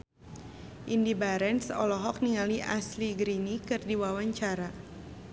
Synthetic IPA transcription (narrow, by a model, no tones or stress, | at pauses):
ʔindibaɾɛnsɔ̰lɔɦɔk̚niŋaliʔa̰sliɡɾinikɨrdiwawaɲt͡ʃaɾa